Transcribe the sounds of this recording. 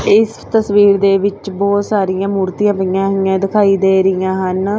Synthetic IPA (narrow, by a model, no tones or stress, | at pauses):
ɪst̪əsʋiːɾd̪eːʋɪt͡ʃbɔːt̪saːɾijãːmuːɾt̪iːãʋəijãːɦɪjãːd̪ɪkʰaːiːd̪eːɾɪjãːɦən